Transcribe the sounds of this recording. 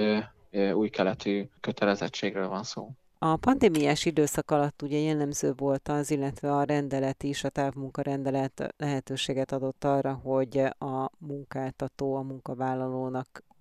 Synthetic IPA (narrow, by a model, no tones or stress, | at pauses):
uːjkɛlɛt̪ʰyːkøt̪ʰɛlɛzɛt͡ʃːeːɡrøːlvɒnso̰ː | ɒpɒnd̪eːmijaːʃid̪øːsɒkɒlɒt̪ːuɟɛjɛlːɛmzøːvo̞lt̪ɒzilːɛt̪ʋɛɒɾɛnd̪ɛlɛt̪iʃɒt̪aːvmuŋkɒɾɛnd̪ɛlɛt̪lɛɦɛt̪øːʃeːɡɛt̪ɒd̪o̞t̪ːɒrːɒɦo̞ɟɒmuŋkaːlt̪ɒt̪oːɒmuŋkɒvaːlːɒloːnɒk